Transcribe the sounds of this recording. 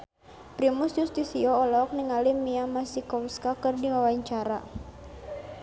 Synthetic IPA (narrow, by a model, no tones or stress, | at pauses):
pɾimusjust̪isiɔɔlɔk̚niŋalimiamasikɔwskakɨrdiwawaɲt͡ʃaɾa̰